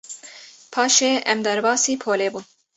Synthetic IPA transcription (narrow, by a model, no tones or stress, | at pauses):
pʰɑːʃeːʔɛ̰md̪ɛɾbɑːsiːpʰoːleːbun